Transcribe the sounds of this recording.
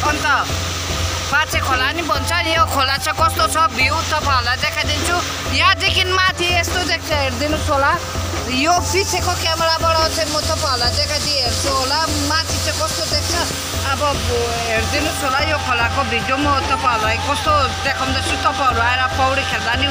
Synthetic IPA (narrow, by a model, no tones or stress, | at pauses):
ʌnt̪ʌ | pãt͡sʰekʰolanibʱʌnt͡sʰʌnjokʰolat͡sʰʌkʌst̪ot͡sʰʌbʱiũt̪ʌpaɦolajd̪ekʰad̪int͡sʰu | jãd̪ikʰinmat̪ʰiest̪od̪ek̚t͡sʰʌɦeɾd̪inusɦola | jopit͡sʰekokamʌɾabaɽʌt͡sajmʌt̪ʌpaɦolad̪ekʰad̪iɦeɾsʰuɦolamat̪ʰit͡sʌ̃kʌst̪od̪ek̚t͡sʰʌː | bʌ | ɦeɾd̪inusɦolajokʰolakobʱid̪jomʌt̪ʌpaʌɾuajkʌst̪od̪ekʰʌw̃d̪at͡sʰut̪ʌpãɦʌɾuaeɾʌpʌwɽikʰeld̪ani